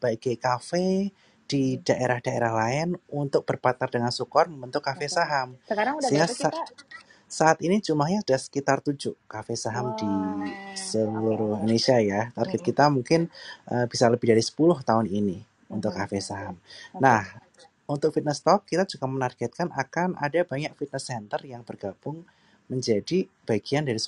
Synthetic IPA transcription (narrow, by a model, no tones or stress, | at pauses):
b̥aɡɛkafe | d̥id̥aʔeɾahd̥aeɾahlaɪnunt̪ʊk̚b̥ərpat̪ardəŋansukɔrməmbənt̪ʊkafesaɦaməkaaŋasa | saʔat̪inid͡ʒumlahɲad̥asə̥kit̪art̪ud͡ʒʊʔkafesaɦamdi | səluɾʊhunesiajat̪arɡɛt̪̚kit̪amuŋkɪnʔəb̥isaləbɪhdaɾisə̥pulʊht̪aʊnini | unt̪ʊkːafesaɦamnah | unt̪ʊk̚fit̪̚nəst̪ɔkːit̪ad͡ʒukamənarɡ̥ɛt̪̚kanʔakana̰dab̥aɲak̚fit̪̚nəsɛnt̪ərjaŋb̥ərɡ̥ab̥ʊŋ | məɲd͡ʒadi | b̥aɡ̥iandaɾis